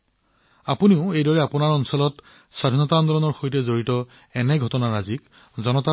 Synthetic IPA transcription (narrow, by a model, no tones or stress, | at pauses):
apuniʊejdɔɹɛapunaɹɔnsɔlɔt | sadʱinɔtand̪ɔɹɔnɔɹxojtɛzoɹitɔ | ɛnɛɡʱɔtɔnaɹazik | zɔnɔta